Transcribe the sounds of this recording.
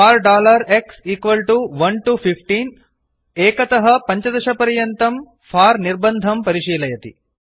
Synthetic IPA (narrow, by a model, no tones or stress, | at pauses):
aːɾɖaːlɐɾeksiːkʋɐlʈuʋɐnʈupʰipʰʈiːn | eːkɐt̪ɐɦɐpɐɲt͡ʃɐd̪ɐʃɐpɐɾijɐnt̪ɐm | pʰaːɾniɾbɐnd̪ʱɐmpɐɾiʃiːlɐjɐt̪ḭ